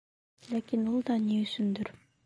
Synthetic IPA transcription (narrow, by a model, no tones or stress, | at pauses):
lʲakinulˠd̪ɑniysynd̪yɾ